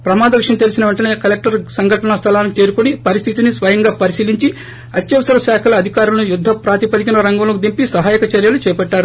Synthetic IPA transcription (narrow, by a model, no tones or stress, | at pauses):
pɾɐmaːd̪ɐʋiʂjɐmt̪elisinɐʋɐɳʈɐne̞ːkɐlek̚ʈɐɾsɐŋɡʱɐʈɐnɐst̪ʰɐlaːnkt͡ʃeːɾukunipɐɾist̪ʰit̪inisʋɐjɐŋɡaːpɐɾisiːliɲt͡ʃi | ɐt̪jɐʋɐsɐɾɐʃaːkʰɐlɐːd̪ʱikaːɾulɐnujud̪ʱːɐpɾaːt̪ipɐd̪ikinɐɾɐŋɡɐlɐkud̪impisɐɦaːjɐkɐt͡ʃɐɾjɐlut͡ʃɛːɐpɛɖːaːɾu